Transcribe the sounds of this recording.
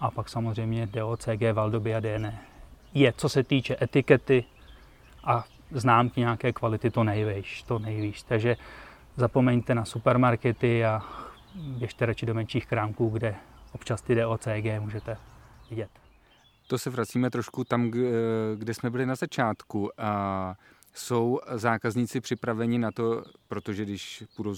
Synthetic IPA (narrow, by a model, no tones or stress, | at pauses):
ʔapaksamozrɛjmɲɛdɛʔoːt͡sɛːɡɛːvaldobɪadɛɛnɛːjɛt͡so̞sɛt̪iːt͡ʃɛʔɛt̪ɪkɛt̪ɪ | ʔa | znaːmkɪɲɛakɛːkvalɪt̪ɪt̪o̞nɛjvɛʃt̪onɛjviːʃt̪aɡʒɛ | zapo̞mɛɲt̪ɛnasupɛɾmaɾkɛt̪ɪa | bjɛʃt̪ɛɾat͡ʃɪdo̞mɛnt͡ʃiːxkɾaːmkuːɡdɛʔopt͡ʃast̪ɪdɛot͡sɛːɡɛːmuːʒɛt̪ɛvɪɟɛt̪ | t̪osɛvɾat͡siːmɛt̪ɾo̞ʃkut̪am | ɡdɛsmɛbɪlɪnazat͡ʃaːt̪ku | so̞wzaːkazɲiːt͡sɪpr̥ɪpɾavɛɲɪnat̪o̞pɾot̪oʒɛɡdɪʃpudo